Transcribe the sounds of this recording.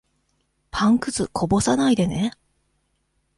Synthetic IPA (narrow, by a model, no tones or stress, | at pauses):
pʰãŋkɯ̟zɨkʰo̞bo̞sanaid̪e̞ne